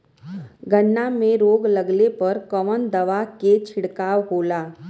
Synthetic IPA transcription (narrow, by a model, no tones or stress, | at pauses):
ɡənːamẽɾoːɡlɐɡlepɐɾkəʋənd̪ɐʋaket͡ʃʰɪɽkaːwɦoːlaː